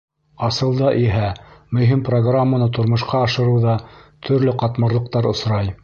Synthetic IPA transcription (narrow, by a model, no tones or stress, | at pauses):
ɑsɤ̆lˠd̪ɑʔiɦæmɵ̆ɦimproɡramːanɤt̪ŏɾmŏʃqɑːʃɤ̆ɾɤ̆wðɑt̪ʰɵ̆ɾlɵqɑt̪mɤ̆ɾlˠɤ̆q̚t̪ɑɾŏsɾɑj